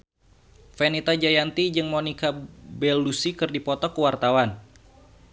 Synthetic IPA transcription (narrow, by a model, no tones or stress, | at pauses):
fɛnit̪ad͡ʒajant̪id͡ʒɨŋmonikabɛlusikɨrdipɔt̪ɔkəwart̪awan